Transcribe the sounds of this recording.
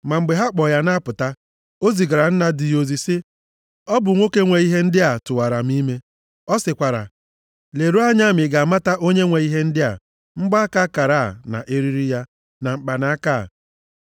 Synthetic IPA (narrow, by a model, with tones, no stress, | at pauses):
ma˨ŋ͡m̩˨ɡ͡be˨ɦa˦k͡pɔ˨ja˦na˦pʊ˨ta˦ | o˦zi˨ɡa˨ɾa˨n̩˦na˦dɪ˨jo˨zi˨sɪ˦ | ɔ˦bʊ˨ŋʷo˦ke˦ŋʷe˨i˦ɦe˦n̩˦dɪ˦a˨tʊ˨wa˨ɾa˨m̩˦i˦me˦ | ɔ˦sɪ˨kʷa˨ɾa̰˨ | le˨ɾu˦a˦ɲa˦˨mɪ˨ɡa˨ma˦ta˦ʔo˦ɲe˦ŋʷe˨i˦ɦe˦n̩˦dɪ˦a˨ | m̩˦ɡ͡ba˦ka˦ka˨ɾa˦˨na̰˨ʔe˦ɾi˦ɾi˦ja˦ | na˨ŋ͡m̩˨k͡pa˨na˦a˦ka̰˦˨